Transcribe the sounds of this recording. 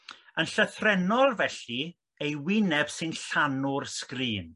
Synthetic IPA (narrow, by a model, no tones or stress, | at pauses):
ənɬəθrɛnɔlˠvɛɬi | ejwɪnɛb̥sɨnɬanʊrskriːn